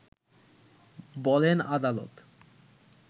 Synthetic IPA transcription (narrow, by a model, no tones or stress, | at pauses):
bɔlenad̪alo̰t̪